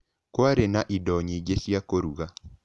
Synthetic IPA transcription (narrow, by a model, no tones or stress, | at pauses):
kwaɾenaʔidɔɲid͡ʒesjakoɾuɣa